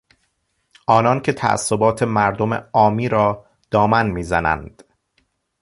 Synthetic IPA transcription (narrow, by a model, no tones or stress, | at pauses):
ɒːnɒːncʰe̞t̪ʰæ̰ʔæ̰sːo̞bɒːt̪ʰe̞mæɾd̪o̞mḛɒːmiːɾɒː | d̪̥ɒːmænmiːzænæ̰nd̪̥